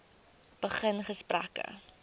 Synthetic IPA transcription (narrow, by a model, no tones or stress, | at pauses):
b̥əχənχəspræ̰kə̰